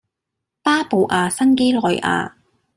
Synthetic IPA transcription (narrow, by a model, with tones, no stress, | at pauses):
paː˥po˨˧wʔaː˨˧sɐ˥ŋke˥lɔː˨jʔa̰ː˧